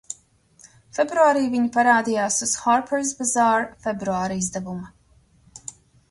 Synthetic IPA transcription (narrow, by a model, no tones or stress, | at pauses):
fɛbɾuaːɾiːviɲipaɾaːd̪ijaːsuz̥xaɾpɛɾz̬bazaːɾfɛbɾuaːɾizd̪ɛvumu